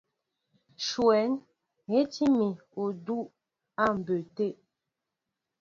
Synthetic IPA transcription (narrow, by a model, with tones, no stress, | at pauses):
ʃwɛ˨˦n | he˦ti˦mi˨ | o˨du˦ʔ | a˦˨m̩˨bø˨te˦˨ʔ